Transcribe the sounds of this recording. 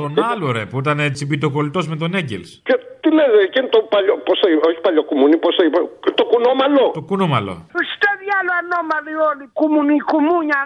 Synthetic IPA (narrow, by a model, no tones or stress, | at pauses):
t̪onɐloɾepuit̪ɐnet͡sipit̪oko̞lit̪o̞zme̞t̪o̞neɟḛlscet̪ilezecent̪opaʎoposeioçi̥paʎokumuniposeipt̪okunomɐlot̪okunomɐlo̞̰usi̥t̪aðjaloanomaliolikumunikumuɲa